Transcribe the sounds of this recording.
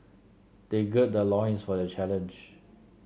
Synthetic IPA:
d̥eɡɛt̚dəlɔ̃jə̃nsfɔdət͡ʃɛlə̃nd͡ʒ

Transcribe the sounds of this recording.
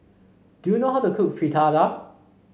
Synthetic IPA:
d̥unoɦaʊtukʰukfɹitʰada

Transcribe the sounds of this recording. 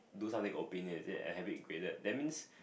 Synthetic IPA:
dusãmt̪ĩŋʔopĩnə̃nsɛə̰hɛvit̚ɡɹedədɛt̚mĩns

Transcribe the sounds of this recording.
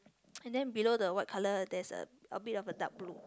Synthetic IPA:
ɛ̃ndɛ̃nbilodəwaɪt̚kʰalədɛsə̰əbitɔfəda̰k̚blu

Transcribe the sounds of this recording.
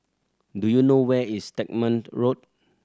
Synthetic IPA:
dujunowɛistet̚mə̃ntɹot̚

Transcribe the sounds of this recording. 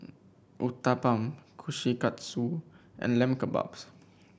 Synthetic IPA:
ʔut̪apãmkʰuʃikat̪suʔɛ̰̃nlɛ̃mkəba̰ps

